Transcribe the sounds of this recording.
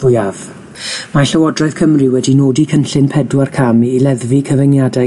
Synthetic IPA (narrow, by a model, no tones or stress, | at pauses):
v̥ʊjav | maɬəwɔdrɔθkʰəmrɪwɛdinoːdikʰənɬɪnpʰɛdwarkʰamiːlɛðvikʰəvənjadɛ